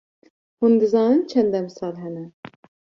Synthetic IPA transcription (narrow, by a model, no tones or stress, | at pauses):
hund̪ɨzɑːnɨnt͡ʃʰɛnd̪ɛmsɑːlɦɛnɛ